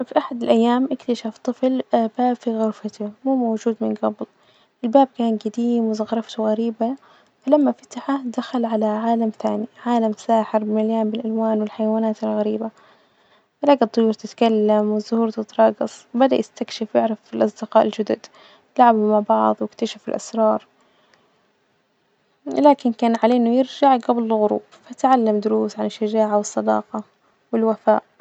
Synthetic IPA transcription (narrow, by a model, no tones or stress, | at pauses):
fiʔaħad̪ɪlʔajːaːmʔɪkt̪aʃaft̪ˤɨflabaːbfiɣʊɾfat̪amuːmowʒuːd̪mɪnɡɑbl | ʔɪlbaːb̚kaːnɡad̪iːmwɪzɑɣɾˤɑft̪uɣaɾiːba | falamːafat̪aħad̪axalʕalaʕaːlamθaːniʕaːlamsaːħɪɾbɪmaljaːmbɪlʔalwaːnwɪlħajawaːnaːt̪ɪlɣaɾiːba | ɾaːɡɑd̪t̪ˤːʊjuːɾˤt̪ɪt̪kalːamwɪzʊhuːɾt̪ɪt̪ɾˤɑːɡɑsˤbad̪aʔjɪst̪akʃɪfjɪʕɾafɪlʔɑsˤd̪ɪqɑːʔɪld͡ʒʊd̪ʊd̪ | ɪlʕabʊmaʕbɑʕðˤwɪkt̪aʃafɪlʔasɾˤɑːɾˤ | laːkɪnkaːnʕaleːnʊjɪɾd͡ʒaʕɡablɪlɣʊɾṵːb̥fat̪ʕalːamd̪ʊɾuːsʕanɪʃːad͡ʒaːʕawɨsˤːɑd̪ɑ̰ːqɑ | wɪlwafa̰ːʔ